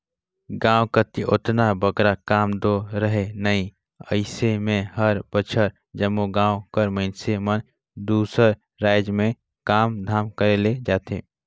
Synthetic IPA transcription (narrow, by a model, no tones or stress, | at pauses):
ɡãːwkət̪iʔʊt̪nabʱəɡɾakaːmd̪oɾəɦenɐĩ | əɪsemẽɦəɾb̥ət͡ʃʰəɾ | d͡ʒəmːoɡãːwkəɾməɪnsemən | d̪uːsəɾ | ɾaːɪd͡ʒmẽ | kaːmd̪ʱaːmkəɾeled͡ʒaːt̪ḛː